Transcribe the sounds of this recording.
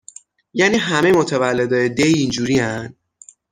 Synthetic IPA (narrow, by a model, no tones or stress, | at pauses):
jæːniːɦæmemot̪ʰevælːe̞d̪ɒjed̪ejind͡ʒuːɾiænd̪